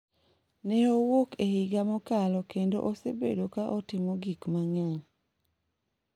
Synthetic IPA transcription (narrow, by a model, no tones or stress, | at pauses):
nɛowokehɪɡamɔkalɔkendo̰ʔosḛbḛdokaʔɔtɪmɔɡikmaɲaŋ